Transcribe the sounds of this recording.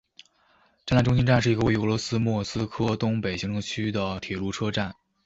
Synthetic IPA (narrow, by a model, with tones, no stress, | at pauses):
ʈ͡ʂa˥˩nla˥˩ʈ͡ʂʊ˥ŋɕ̬i˥nʈ͡ʂa˥˧nʂɻ̩˥˩i˧˥ɡə˧we˥˩y˧˥˧lwɔ˧˥sɹ̩˥mwɔ˥˩sɹ̩˥kʰɤ˥t̪ʊ˥ŋpe˨˩ɪɕi˥ŋʈ͡ʂʰɤ˧˥ŋt͡ɕʰy˥d̪ə˨t̪ʰjɛ˨˩lu˧˥˩ʈ͡ʂʰɤ˥ʈ͡ʂa˥˩n